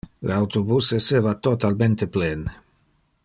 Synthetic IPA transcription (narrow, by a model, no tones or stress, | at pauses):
lawt̪obuseseːvat̪ot̪alment̪eplen